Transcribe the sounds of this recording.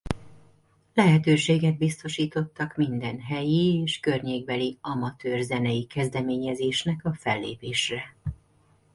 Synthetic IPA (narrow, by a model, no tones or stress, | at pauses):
lɛɦɛt̪øːʃeːɡɛd̪̚bist̪o̞ʃiːt̪o̞t̪ːɒkmind̪ɛnɦɛjieːʃkørɲeːɡ̚bɛliɒmɒt̪øːrzɛnɛjikɛzd̪ɛmeːɲɛzeːʃnɛkɒfɛlːḛːpeːʃrɛ